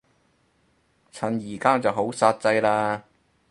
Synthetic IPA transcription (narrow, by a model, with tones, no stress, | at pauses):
t͡sʰɐ˨˩njiː˨˩kaː˥t͡sɐ˨wɦo˨˥wsaː˧t̚t͡sɐ˧jlaː˧